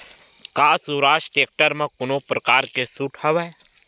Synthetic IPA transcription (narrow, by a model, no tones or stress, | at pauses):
kaːsuːɾaːʃʈeːk̚ʈəɾmẽkʊnopɾɐkaːɾkesuʈʰɐʋa